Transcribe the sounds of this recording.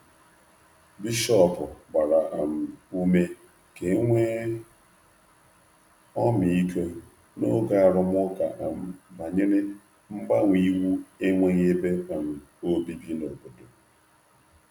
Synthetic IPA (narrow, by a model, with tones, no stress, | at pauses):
bi˦ʃɔ˦pʊ˨ba˨ɾa˨ʔa˨m̩˨u˦me˦ | ke˨˦ŋʷe˦ | ɔ˦m˨i˦ke˦ | no˦ɡa˨a˨ɾʊ˦m˦ʊ˦ka˨ʔa˨m̩˨ba˨ɲe˦ɾe˦ | m̩˦ba˦ŋʷ˨i˦wu˦e˦ŋʷe˦ŋ˦e˦be˦a˨m̩˨ | o˦bi˦bi˦no˨bo˨do˨